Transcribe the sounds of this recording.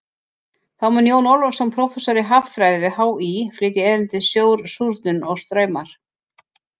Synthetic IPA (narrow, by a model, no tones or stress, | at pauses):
θawmɛnjoːwnɔwlɔfsɛmpʰɾɔfɛsɔɾɪɦaffɾajðvɪɦawiflɪːt̪ɪɛðɪnt̪ɪðsjoːwɾsuɾt̪nʏnɔɣst̪ɾœːɥmaɾ̥